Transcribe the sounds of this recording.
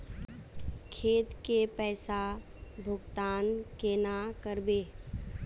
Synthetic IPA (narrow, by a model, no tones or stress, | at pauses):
kʰeːt̪kepɛːsa | bʱʊɡt̪aːnkenakəɾbeː